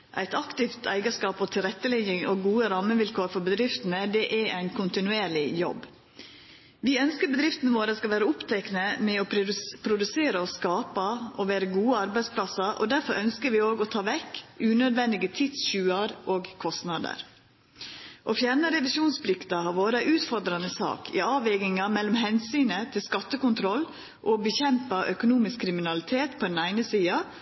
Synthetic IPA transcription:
ʔæ̰ɪt̪ɑkt̪ɪft̪ʰæ̰ɪɡəʂkɑːpɔt̪ʰɪlɾɛt̪ːəlɪŋɪŋoɡuːəɾɑmːəʋɪlkʰoːɾfɔɾbəd̪ɾɪft̪ənəd̪ɛʔææɪnkʰʊnt̪ɪnʉeːɾɭɪjɔ̰b | ʋɪœnskəɾbəd̪ɾɪft̪ənəʋoːɾəskɑʋæːɾəʊpt̪ʰæknəmɛoːpʰɾʊd̪ʉseːɾəɔskɑːpəʔɔʋæːɾəɡuːəɑɾbæɪd̪spʰlɑsɑɾʔɔ̰d̪æɾfɔɾʔœnskəɾʋɪoːɡɔt̪ʰɑːʋɛkːʉːnød̪ʋɛnd̪ɪɡət̪ʰɪt̪sɕʉːɑɾʔoːɡkʰɔst̪nɑd̪ə̰ɾ | ʔofjæɾɳəɾɛʋɪsuːnspʰlɪkt̪ɑɦɑɾʋoːɾəʔʉːt̪fɔɾd̪ɾɑnəsɑ̰ːkʰɪ̰ɑːʋɛɡɪŋɑmɛlːɔmɦɛnsyːnət̪ʰɪlskɑt̪ːəkʊnt̪ʰɾɔlː | ʔɔbəçɛmpəʔœkʊnuːmɪskʰːɾɪmɪnɑlɪt̪ʰeːt̪pʰɔd̪ɛnæɪnəsiːɑ

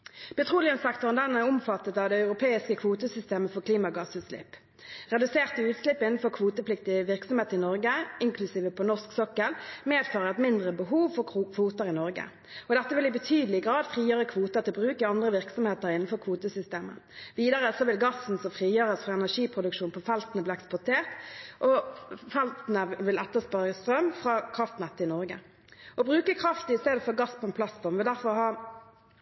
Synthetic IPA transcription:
b̥ɛt̪ʰʁuːlɪənsɛk̚t̪ɔʁənd̪ɛnːæʁʊmfɑt̪ːət̪ɑʋd̪ɛɑʉʁʊpʰeːɪskəkʰʋuːt̪əsʏst̪eːməfɔʁkʰliːmɑɡɑsʉːt̪slɪ̰pː | ʁɛd̪ʉseːʁt̪əʉːt̪slɪpːɪnn̩fɔʁkʰʋuːt̪əpʰlɪk̚t̪ɪəʋɪʁksɔmheːt̪əʁɪnɔʁɡəɪŋkʰlʉsiːʋəpʰɔnɔʁsksɔkːəlmeːd̪fɑːʁəɛt̪mɪnd̪ʁəbəɦuːʋfɔʁkʰʋuːt̪əʁɪnɔʁɡə̰ | ɔd̪ɛt̪ːəʋɪlɪbət̪ʰyːd̪əlɪɡʁɑːd̪fʁiːjøːʁəkʰʋuːt̪əʁt̪ɪlbʁʉːkɪɑnd̪ʁəʋɪʁksɔmheːt̪əɾɪnn̩fɔʁkʰʋuːt̪əsʏst̪eːmə̰ʋiːd̪əʁəsɔʋɪlɡɑsːn̩sɔfʁiːjøːʁəsfʁɑɛnæʂiːpʰʁʊd̪ʉkʃuːnpʰɔfɛlt̪nəbliːɛkspʊʁt̪ʰeːʁt̪ʔɔfɛlt̪nəʋɪlɛt̪ːəspɑɾəst̪ɾœmfʁɑkʰʁɑft̪nɛt̪ːəɪnɔɾɡə̰ | ʔɔbɾʁʉːkəkʰʁɑft̪ɪst̪eːd̪əfɔʁɡɑspʰɔɛnpʰlɑsfɔʁmʋɪld̪æɾfɔʁhɑː

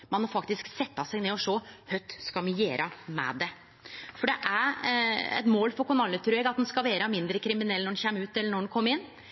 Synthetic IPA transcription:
mɑnmɔfɑkt̪ɪsksɛt̪ːɑsɛɡneːɔʂɔhœt̪skɑmɪjeːɾʔɑmɛ̰d̪ɛ | fɔɖɛʔæɾɛ̰t̪moːlfɔɾkʊnɑlːət̪ʰɾʉːɛɡɑt̪̚d̪ɛnskɑʋeːɾəmɪnd̪ɾəkʰɾɪmɪnɛlːnɔɾnçeːməʉːt̪ɛlːəɳɔɛnkʰɔmːɾɪnː

